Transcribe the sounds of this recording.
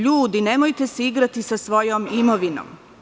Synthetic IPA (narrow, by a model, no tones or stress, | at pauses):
ʎuːd̪ine̞mojt̪e̞seiɡɾat̪isasʋo̞jomimoʋino̰m